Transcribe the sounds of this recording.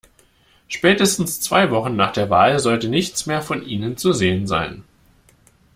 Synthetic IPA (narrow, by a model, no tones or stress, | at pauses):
ʃpɛːtəstn̩st͡sv̥aɪvɔχn̩nːaːχd̥eːɐvaːlzɔltənɪçt͡smeːɐfɔnʔiːnənt͡suzeːənza̰ɪn